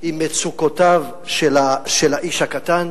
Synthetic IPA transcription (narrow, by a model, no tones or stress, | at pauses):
imːet͡sukotav | ʃelaʃelaʔiʃhakatan